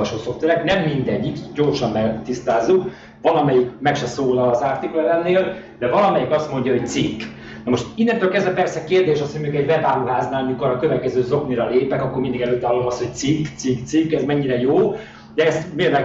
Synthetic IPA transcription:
ɒʃoːso̞ft̪ɛɾɛknɛmːind̪ɛɟːikɟoːrʃɒmːɛt̪ist̪aːzːuk | vɒlɒmɛjikmɛkʃɛsoːlɒːzaːrt̪iklɛlɛnːeːl | d̪ɛvɒlɒmɛjikɒst̪mo̞ɲɟɒɦo̞c̚t̪sikː | nɒmoʃt̪inːɛnt̪øːlkɛzd̪vɛpɛrsɛkeːrd̪eːʃɒshoɟmeːɡɛɟvɛvaːluɦaːznaːlɲukɒɾɒkøvɛt̪̚kɛzøːzo̞kniɾɒleːpɛkɒkːormind̪iɡɛløːt̪ːɛɒlomɒsho̞c̪̚sikːt̪sikt̪sikːɛzmɛɲːiɾɛjoː | d̪ɛɛst̪meːɾlɛ

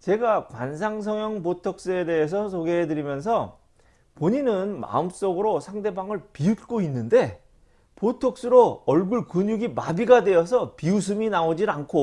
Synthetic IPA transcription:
t͡ɕe̞ɡakwa̰ns̬ʰaŋs̬ʰʌŋjʌŋpotʰʌk̚s͈ɯe̞de̞ɦes̬ʰʌs̬ʰoɡeɦedɯɾimjʌnsʰʌ | poɲinɯnma̰ɯms͈ʌɡɯɾosʰaŋde̞baŋɯɭpiut̚k͈oinːɯnde̞ | potʰʌk̚s͈ɯɾoʌɭɡuɭkɯɲuɡimabiɡadwe̞ʌsʰʌpius̬ʰɯminaod͡ʑiankʰo

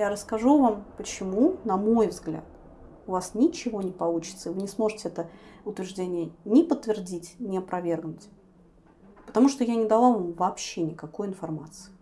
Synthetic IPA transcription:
jaɾəskɐʐuvampət͡ɕɪmunɐmo̞jvzɡlʲa̰t̪ | ʊvasnʲɪt͡ɕɪvo̞nʲɪpɐlˠut͡ɕɪ̥t̪səvɨnʲɪsmo̞ʐɨtʲɪɛt̪əʊt̪vʲɪɾrʐdʲenʲɪjənʲɪpət̪ːvʲɪrdʲitʲnʲɪɐpɾɐvʲe̞rɡnʊtʲ | pə̥t̪ɐmuʂt̪ojanʲɪd̪ɐlˠavamvɐpɕːenʲɪkɐko̞jɪnfɐrma̰t̪sɨɪɪ

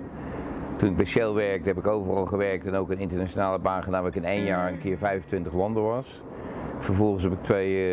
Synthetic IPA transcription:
tunɪɡ̚bɛsɛlˠʋɛɹk̚tɦɛpɪkowvərɑlˠχəʋɛɹk̚tɛnowkənɪntəɹnat͡ʃonaːlˠəbaːnχədaːnʋaːɪkənejnjaːɹənkɪːɹvɛjvəntʋɪntəχlɑndəʋɑs | fəɹvɔlˠχəsɦɛpɪk̚tʰʋej

